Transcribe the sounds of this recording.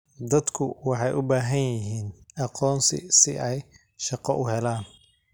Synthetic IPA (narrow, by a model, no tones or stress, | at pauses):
d̪ɐd̪kʰʊwɑħɑjʔʊbaːɦɐnjɪɦiːnɑqɔːnsɪ̰sɪʔɛj | ʃɑqɔʔʊɦɛlaːn